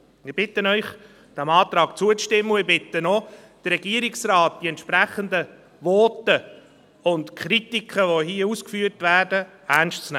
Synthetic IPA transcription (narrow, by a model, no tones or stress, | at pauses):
ɪɾb̥ɪtənœʏχ | d̥æmɑːt̪ɾɑːkt͡suət͡sʃtɪmːəɪbɪt̪ənɔd̪̥ərɛɡ̥iəɾɪksrɑːt̚d̥iɛntʃpɾæχənd̪ə | vɔːtə | ʊntkʰχɾitikʰχəʋohiːəuskfyːɾtvæːɾdə | ænʃtt͡snɛ